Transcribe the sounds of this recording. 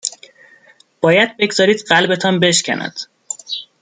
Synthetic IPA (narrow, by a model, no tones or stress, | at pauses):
b̥ɒːjæd̪̚be̞ɡz̥ɒːɾiːd̪ɢælbe̞t̪ʰɒnbe̞ʃcʲʰæ̰nʔæ̰d̪̥